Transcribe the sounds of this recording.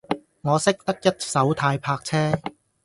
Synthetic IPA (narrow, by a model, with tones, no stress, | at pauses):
ŋɔː˨˧sɪ˥k̚t̪ɐ˥k̚jɐ˥t̚sɐ˨˥wt̪ʰaː˧jpʰaː˧k̚t͡sʰɛː˥